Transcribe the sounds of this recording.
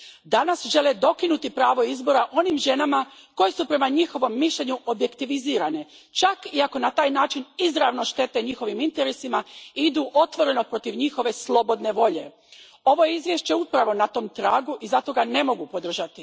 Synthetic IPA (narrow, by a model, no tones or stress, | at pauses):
d̪anasʒe̞led̪o̞kinut̪ipɾaːʋo̞izbo̞ɾaʔo̞nimʒe̞namako̞je̞supɾe̞maɲixo̞ʋo̞mːiʃʎe̞ɲuʔo̞bje̞kt̪iʋiziːɾane̞ | t͡ʃakiako̞nat̪aːjnaːt͡ʃinizɾaʋno̞ʃt̪e̞t̪e̞ɲixo̞ʋimint̪eɾesimaid̪uʔo̞t̪ʋo̞ɾe̞no̞pɾo̞t̪iʋɲixo̞ʋe̞slˠo̞bo̞d̪ne̞ʋo̞ʎe̞ | o̞ʋo̞jeizʋje̞ʃt͡ɕe̞upɾaʋo̞nat̪o̞ːmt̪ɾaːɡuʔizat̪o̞ɡane̞mo̞ɡupo̞d̪r̩ʒat̪i